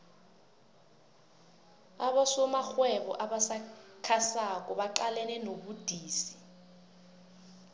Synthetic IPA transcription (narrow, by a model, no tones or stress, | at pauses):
aɓasɔmaxwɛɓɔ̰ʔaɓasakʰasak̬ʼɔɓaǃalɛnɛnoɓud̥ʱiːsi̥